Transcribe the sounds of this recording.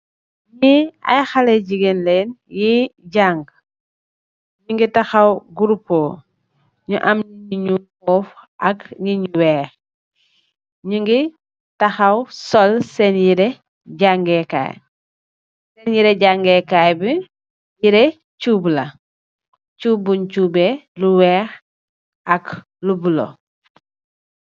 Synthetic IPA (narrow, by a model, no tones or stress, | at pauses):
ɲia̰jxaleɟiɡenlɛːnjiɟaŋɡ | ɲuŋɡitɐxawɡuɾupːoː | ɲuʔɐmɲiɲiɲumɔːfʔɐkɲiɲuwɛː | ɲuŋɡi | tɐxawsɔlsɛnjiɾe | ɟaŋɡɛka̰j | sɛnjiɾɛɟaŋɡɛkajbi | jiɾe | cuːblɐ | cuːbuɲcuːbeluwɛːx | ʔɐk | lubulo̰